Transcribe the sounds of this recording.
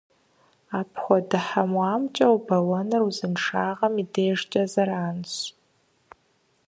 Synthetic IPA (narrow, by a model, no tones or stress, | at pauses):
aːpʰχʷɔdɨħamwaːmt͡ʃʼɐwbɐwɐnɨruzɨnʂaːʁɐmideːʐt͡ʃʼɐzɐɾaːnɕ